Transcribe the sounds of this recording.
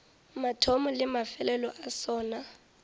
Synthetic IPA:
matʰomɔlɪmafɛlɛlɔʔasɔːna

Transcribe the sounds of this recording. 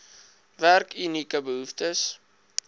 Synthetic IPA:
værkynikəbəɦuftəs

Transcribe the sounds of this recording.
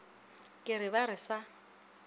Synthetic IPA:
kʼɪɾɪβaɾɪsa

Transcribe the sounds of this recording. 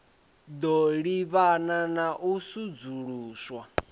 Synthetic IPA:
d̪ɔɺiβananaʔusud͡zuɺuːswa

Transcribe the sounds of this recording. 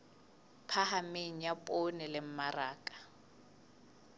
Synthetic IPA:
pʰahameŋ̩japʼonɪlɪm̩maraːkʼḁ

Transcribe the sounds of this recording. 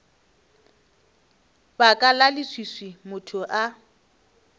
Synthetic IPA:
bakʼalalɪswiswimʊtʰʊʔa

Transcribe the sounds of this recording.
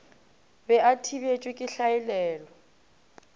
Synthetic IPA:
bɛʔatʰiβet͡ʃʼwɪkʼɪɬaɪlɛːlɔ

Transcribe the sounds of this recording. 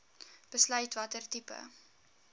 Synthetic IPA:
b̥əslœɥtvɐtərtipə̰

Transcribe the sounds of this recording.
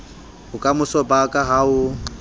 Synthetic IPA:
hʊkʼamʊsɔbakʼaɦaʊ

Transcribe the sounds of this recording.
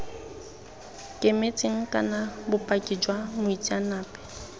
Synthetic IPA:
kʼɪmet͡sʼɪŋ̩kʼa̰nabʊpʼakʼid͡ʒwamʊit͡sʼianaːpʼɛ̥

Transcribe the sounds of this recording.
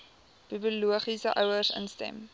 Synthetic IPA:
b̥ibuluəχisəʔœwərsə̰nstɛ̰m

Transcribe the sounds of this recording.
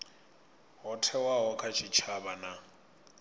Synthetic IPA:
ɦɔtʰɛwaɦɔkʰʼat͡ʃʰit͡ʃʰabana

